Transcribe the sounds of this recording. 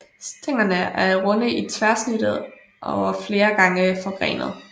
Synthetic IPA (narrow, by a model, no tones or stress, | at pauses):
st͡sʰeŋ̰ɐnəʔæɐʁɔ̽nəit͡sʰʋæɐsnyɾ̥əð̩̰ˠ | ʔɒʊæfle̝ːɐɡ̥ɑ̈ŋəfɒ̥̽ʁɛ̰ːnð̞̩ˠ